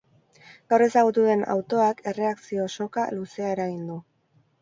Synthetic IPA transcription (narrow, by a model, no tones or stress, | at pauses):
ɡ̥awre̞saɣ̞ut̪uðe̞na̰wt̪o̞ake̞re̞aksio̞so̞kaluse̞aeɾaɣind̪u